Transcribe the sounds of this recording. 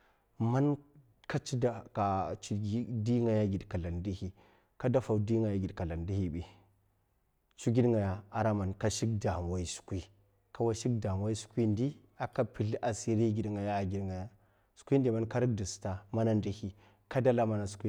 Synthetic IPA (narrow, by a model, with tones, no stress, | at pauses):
ma˦n | ka˦t͡ʃi˦da˨ka˨t͡ʃi˦ɡi˦di˦ŋɡa˨ja˦ɡi˨dka˨la˨ndi˦hi˦ | ka˦da˦fa˨wdi˦ŋɡa˨ja˦ɡi˨dka˨la˨ndi˦hi˦ɓi˨ | t͡ʃu˦ɡi˦dŋɡa˨ja˨a˨ɾa˦ma˨nka˦ʃi˦kda˨m˨wa˦i˦su̥˨˦kʷi˦ | ka˨wa˦ʃi˦kda˨mwa˦i˦su̥˦kʷi˦ndi˦ | a˨ka˦pi˨ɮi˦ʔa˨si˨ɾi˦ɡi˨dŋɡa˨ja˦a˨ɡi˦dŋɡa˨ja˦ | su̥˦kʷi˦n˦di˨ma˦nka˦ɾi˦k̚di˨sta˨ma˦na˦ndi˦hi˦ | ka˦da˦la˦ma˨na˨su̥˨˦kʷi˦